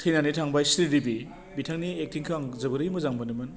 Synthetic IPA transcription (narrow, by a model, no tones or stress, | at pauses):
tʰɯjnanitʰaŋbajsɾidibi | bitʰaŋniek̚tʰiŋkʰaŋzɐbɯɾɯjmɯzaŋbɯnɯmɯn